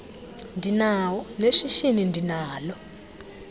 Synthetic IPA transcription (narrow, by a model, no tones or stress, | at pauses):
ndinawɔneʂiʃinindʱinaːlɔ